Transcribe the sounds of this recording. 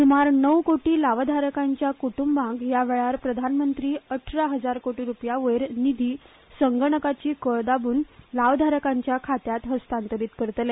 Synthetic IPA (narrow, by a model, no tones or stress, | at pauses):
sumaɾnəwkoʈiːlaʋd̪ʱaɾəkaɲt͡ɕjakuʈumbãŋɡjaʋeɭaɾpɾəd̪ʱanmənt̪ɾiːəʈʰɾaɦəd͡zaɾkoʈiːɾupjaʋəɾnid̪ʱiː | səŋɡəɳəkat͡ɕiːkəɭd̪abuːnlaʋd̪ʱaɾəkaɲt͡ɕjakʰat̪jat̪ɦəst̪ant̪əɾit̪kəɾt̪le